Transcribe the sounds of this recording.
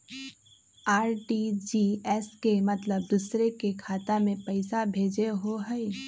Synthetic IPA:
aːɾʈid͡ʒiːɛskemɐt̪ləb̚d̪usɾekekʰaːt̪amẽpɐɪsabʱeːd͡ʒeɦoɦɛɪ

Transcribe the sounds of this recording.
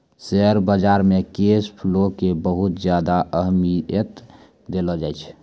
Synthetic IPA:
seəɾbəd͡ʒaɾmekespʰlokebəɦut̪d͡ʒjad̪aʔəɦmiət̪ | d̪eləd͡ʒajt͡ʃʰ

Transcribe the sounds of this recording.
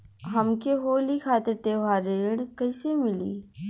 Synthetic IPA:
ɦəmkeɦoːlikʰaːt̪ɪɾt̪eːʋaːɾeːɽkəɪsemɪlḭː

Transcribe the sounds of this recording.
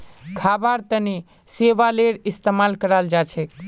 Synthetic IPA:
kʰabaɾt̪əni | seʋaleɾist̪emalkəɾald͡ʒat͡ʃʰɛk

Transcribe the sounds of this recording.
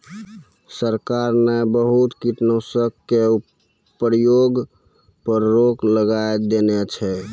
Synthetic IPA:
səɾkaɾnebəɦut̪kiʈnosəkkːe | pəɾjoɡ | pəɾɾokləɡaed̪enɛt͡ʃʰɛ

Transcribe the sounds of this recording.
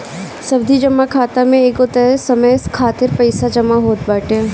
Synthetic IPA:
sɐbd̪ʱid͡ʒɐmakʰaːt̪amẽeːkot̪ɛsɐməjskʰaːt̪ɪɾpɐɪsad͡ʒɐmaɦoːt̪̚baːʈe

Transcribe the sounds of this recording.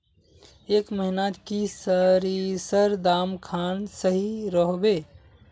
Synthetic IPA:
eːkməɦinaːt̪kisəɾisəɾd̪aːmkʰaːnsəɦiɾəɦbeː

